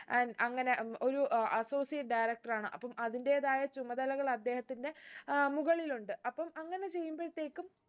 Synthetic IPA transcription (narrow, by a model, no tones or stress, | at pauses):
ʔɐŋːɐne̞o̞ɾuɐso̞ːsijɐʈ̚ɖɐjɾɐk̚ʈɐraːɳɨʔɐpːɐmʔɐðinde̞ðaːjɐt͡ɕumːɐd̪ɐlɐɣɐɭɐd̪ːe̞ːhɐt̪ːinde̞muɣɐɭiluɳɖɨʔɐpːɐmɐŋːɐne̞t͡ɕe̞jːumboɻit̪ːe̞ːkːum